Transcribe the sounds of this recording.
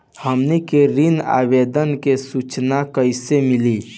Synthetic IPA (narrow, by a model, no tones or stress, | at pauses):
həmnekeɾina̰ːbeːd̪ənkesut͡ʃnakəɪsemɪliː